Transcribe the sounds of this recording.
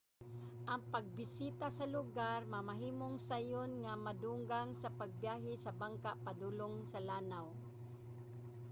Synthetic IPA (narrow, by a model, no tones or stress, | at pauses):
ʔɐŋpaɡ̚bɪsit̪asɐlʊɡaɾmamaɦiːmoŋsajʊnŋamad̪uŋɡaŋsapaɡ̚bjaːɦɪsɐbaŋkapad̪ulʊŋsalaːnaw